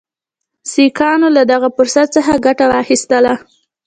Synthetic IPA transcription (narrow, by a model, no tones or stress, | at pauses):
sikɑnolad̪aɣapʊɾsat̪̚t͡səxaɡaʈawɑxist̪əla